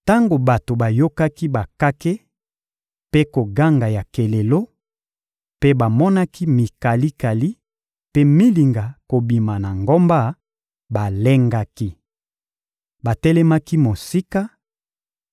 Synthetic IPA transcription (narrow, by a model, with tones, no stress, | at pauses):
ta˦ŋɡo˨ba˨to˨ba˨jo˦ka˦ki˦ba˨ka˦ke˦ | pe˦ko˨ɡa˦ŋɡa˨ja˨ke˨le˨lo˦ | pe˦ba˨mɔ˦na˦ki˦mi˨ka˨li˦ka˨li˦ | pe˦mi˦li˨ŋɡa˨ko˨bi˨ma˨na˨ŋɡo˦mba˦ | ba˨le˦ŋɡa˦ki˦ | ba˨tɛ˦lɛ˦ma˦ki˦mo˨si˦ka˦